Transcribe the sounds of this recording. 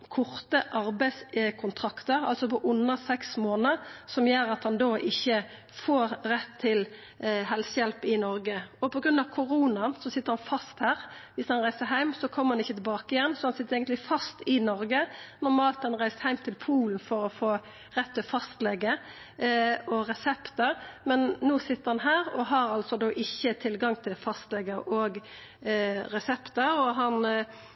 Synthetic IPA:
kʰʊʁt̪əʔɑɾbæɪskʰʊnt̪ʰʁɑkt̪əɾɑlsɔpɔʔʊnːəsɛksmoːnəɾsɔmjøːɾɑt̪hɑnd̪oːʔɪçːə | foːɾɾɛt̪ʰːɪl | ɦɛlsəjɛlpɪnɔɾɡəɔpɔɡɾʉnd̪ɑʋkʰʊʁuːnɑnsɔsɪt̪ːəɾhɑnfɑst̪hæːɾʋɪshɑnɾæɪsəɦæɪmsɔkʰɔmːəɾhɑnɪçːət̪ɪlbɑːkəɪjɛnːsɔhɑnsɪt̪ːəɾeːɡəlɪfɑst̪ɪnɔɾɡənɔɾmɑːlt̪hɑnʁæɪst̪hæɪmt̪ʰɪlpʰuːln̩fɔɾɔfoː | ʁɛt̪ːɛɔfɑst̪lɛɡə | ɔʁɛsɛpt̪əɾmɛnːoːsɪt̪ːəɾhɑnɦæːɾɔɦɑɾɑlsɔd̪oːʔɪçːət̪ʰɪlɡɑŋt̪ʰɪlfɑst̪lɛɡəɾɔɡ | ɾɛsɛpt̪əɾɔɦɑn

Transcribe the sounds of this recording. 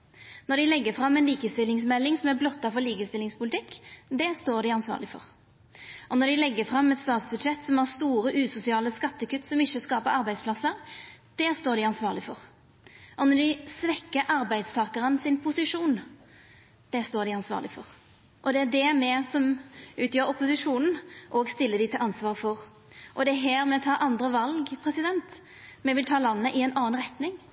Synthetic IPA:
nɔɾd̪ɪlɛɡːəfɾɑmːɛnliːkəst̪ɪlːɪŋsmɛlːɪŋsɔmæɾblɔt̪ːɑfɔliːkəst̪ɪlːɪŋspʰʊlɪt̪ʰɪkːd̪ɛst̪oːɾɖ̪ɪɑnsʋɑ̰ːʁlɪfɔ̰ɾ | ʔɔnɔɾd̪ɪlɛɡːəfɾɑmːɛt̪st̪ɑːt̪sbʉd̪ʂɛt̪ːsɔmæɾst̪uːɾəʔʉːsʊsɪɑːləskɑt̪ːəkʉt̪ːsɔmɪçːəskɑːpəɾɑɾbæɪd̪splɑsəɾd̪̥ɛst̪oːɾɖ̪ɪɑnsʋɑːʁlɪfɔʁ | ʔɔnɔɖ̪ɪsʋɛkːəʔɑɾbæɪd̪st̪ʰɑːkəʁənsɪnpʰʊsɪʂuːn | d̪̥ɛst̪oːɾɖ̪ɪɑnsʋɑ̰ːʁlɪfɔʁ | ʔɔd̪ɛæɖ̪ɛmɛsɔmʉːt̪jøːɾʊpʊsɪʂuːnn̩ʔɔːɡst̪ɪlːəd̪ɪt̪ʰɪlʔɑnsʋɑːʁfɔʁ | ʔɔd̪ɛæɦɛːɾmɛt̪ʰɑːʔɑnd̪ʁəʋɑlɡpʰʁɛsɪd̪ɛnt̪ | mɛʋɪlt̪ʰɑːlɑnːəʔɪɛnʔɑːnʁɛt̪nɪŋ

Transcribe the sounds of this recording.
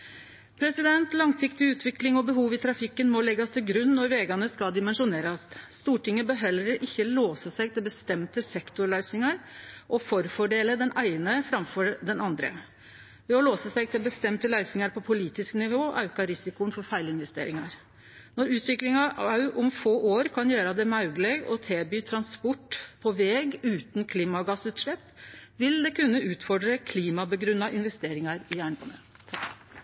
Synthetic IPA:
pʰɾɛsɪd̪ɛnt̪lɑŋsɪkt̪ɪʉːt̪ʋɪklɪŋɔbəɦuːʋɪt̪ʰɾɑfɪkːənmɔlɛɡɑst̪ʰɪlɡɾʉnnɔɾʋeːɡɑnəskɑld̪ɪmɛnʂʊneːɾɑsst̪uːʈɪŋːəbəɦɛləɾʔɪçːəloːsəsæɪɡt̪ʰɪlbəst̪ɛmt̪əsɛkt̪ʊɾɭœʏsɪŋɑɾʔɔfɔɾfɔɖeːləd̪ɛnʔæɪnəfɾɑmfɔɾd̪ɛnɑnd̪ɾə̰ | ʋɛːɔloːsəsɛɪɡ̚t̪ʰɪlbəst̪ɛmt̪əlæɪsɪŋɑɾpʰɔpʰʊliːt̪ɪsknɪʋoːʔɑʉkɑɾɪsɪkʊənfɔɾfæɪlɪnʋɛst̪ḛːɾɪŋɑɾ | nɔɾʉːt̪ʰʋɪklɪŋɑɑʉʔʊmfoːʔoːɾkʰɑnjøːɾɑd̪ɛmɑʉɡlɛɡɔt̪ʰeːbyːt̪ʰɾɑnspɔʈːpʰɔʋɛːɡʉːt̪nkʰliːmɑɡɑsʉːt̪ʂlɛpːʋɪld̪ɛkʰʉnːəʔʉːt̪fɔɖɾəkʰliːmɑbəɡɾʉnːɑʔɪnʋɛst̪eːɾɪŋɑɾɪjæːɳpʰɑnɛt̪ʰ

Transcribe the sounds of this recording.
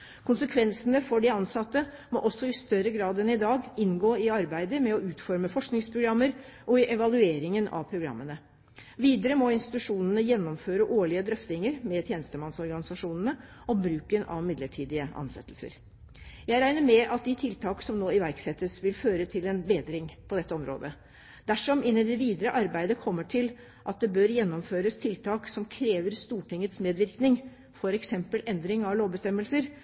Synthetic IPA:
kʰʊnsəkʰʋɛnsənəfɔɖɪɑnsɑt̪ːəmɔʔɔsːɔɪst̪œɾəɡɾɑːd̪ɛnɪd̪ɑːɡɪnɡoːɪɑɾbæɪd̪əmɛɔʉːt̪fɔɾməfɔʂknɪŋspʰɾʊɡɾɑmːəɾʔɔɪʔɛʋɑlʉeːɾɪŋənɑ̰ʋpʰɾʊɡɾɑ̰mːənə | ʋiːd̪əɾəmɔɪnst̪ɪ̥t̪ʉʂuːnənəjɛnːɔmføːɾəʔoːɭɪəd̪ɾœft̪ɪŋəɾmɛt̪ʰjeːnəst̪əmɑnsɔɾɡɑnɪsɑʂuːnənə | ʔɔbɾʉːkənɑ̰ʋmɪd̪ləʈʰiːd̪ɪəʔɑ̰nsɛ̰t̪ːəlsə̰ɾ | jæɪɾæɪnəɾmɛʔɑt̪̚d̪ɪt̪ʰɪlt̪ʰɑːksɔmnoːɪʋæɾksɛt̪ːəsʋɪlføːɾət̪ʰɪlɛnbeːd̪ɾɪŋpʰɔd̪ɛt̪ːəɔmɾo̰ːd̪ə | d̪̥æʂɔmɪnːɪd̪ɛʋiːd̪əɾəʔɑɾbæɪd̪əkʰɔmːəʈʰɪl | ʔɑt̪̚d̪ɛbøɾjɛnːɔmføːɾəst̪ʰɪlt̪ʰɑːksɔmkʰɾeːʋəɾst̪uːʈɪŋːət̪smeːd̪ʋɪɾknɪŋ | fɔɾɛksɛmpəlʔɛnd̪ɾɪŋɑʋloːbəst̪ɛmːəlsəɾ

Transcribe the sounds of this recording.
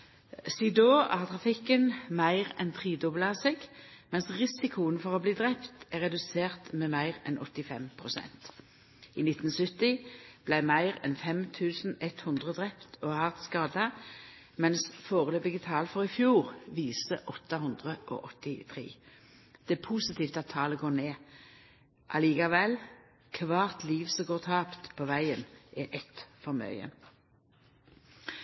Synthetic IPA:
sid̪oːʔæːʁt̪ʰʁɑfɪkːənmæɪʁɛnt̪ʰʁiːd̪ʊblɑsɪɡmɛnsʁɪsɪkʰʊənfɔʁɔbliːd̪ʁɛpt̪æʁɛd̪ʉseːʁt̪meːmæɪʁɛ̰nɔt̪ːɪfɛ̰mpʰʁʊsɛ̰nt̪ | ḭːnɪt̪n̩sʏt̪ɪb̥læɪmæɪʁɛ̰nfɛmt̪ʰʉːsn̩ɛt̪hʉnd̪ʁəd̪ʁɛpt̪ʰoːhɑʁt̪skɑːd̪ə | mɛnsfoːʁəløːbɪɡət̪ʰɑːlfɔʁɪfjuːʁʋiːsəʔɔt̪ːɑhʊnd̪ʁəʔɔ̰ːʔɔt̪ɪt̪ʰʁḛː | d̪̥ɛæːpʰuːsɪt̪ʰiːft̪ɑt̪ʰːɑːləɡoːʁneː | ʔɑliːkɑʋɛl | kʰʋɑːʁt̪liːʋsɔɡoːʁt̪ʰɑːpt̪pʰoːʋæɪənʔɛʔɛt̪fɔʁmœ̰ʏə̰

